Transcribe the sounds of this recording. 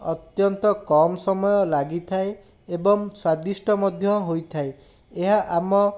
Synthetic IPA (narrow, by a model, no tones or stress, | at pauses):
ɔt̪jɔnt̪ɔkɔmɔsɔmɔjɔlaɡit̪ʰae | ebɔŋswad̪isʈɔmɔd̪ʱjɔɦojt̪ʰae | eɦaʔamɔ